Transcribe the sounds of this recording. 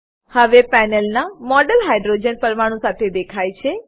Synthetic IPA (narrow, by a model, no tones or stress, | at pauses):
həʋepɛnəlnamɔɖəlɦajɖɾod͡ʒənpəɾʋaɽ̃ũsat̪ʰed̪ekʰajt͡ʃʰe